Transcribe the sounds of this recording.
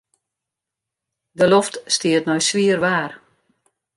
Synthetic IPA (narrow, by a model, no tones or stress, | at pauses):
dəloftstiətnɔjsʋiərʋaːr